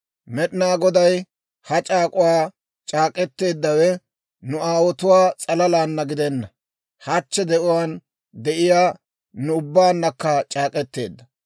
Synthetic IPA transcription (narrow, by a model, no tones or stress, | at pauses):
mɛɗnaːɡɔd̪ɐj | hɐt͡ʃʼaːkʼʊwaː | t͡ʃʼaːkʼɛt̪ːe̞ːd̪ːɐwɛ | nʊaːwɔt̪ʊwaːt͡sʼɐlɐlaːnːɐɡɪd̪ɛnːɐ | hɐt͡ʃːɛd̪ɛʔʊwaːn | d̪ɛʔɪjaː | nʊʊbːaːnːɐkːɐt͡ʃʼaːkʼɛt̪ːe̞̰ːd̪ːɐ